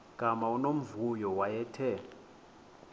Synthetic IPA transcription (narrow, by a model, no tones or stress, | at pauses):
ɡ̥ʱʼamaunom̩vujɔwajɛtʰɛ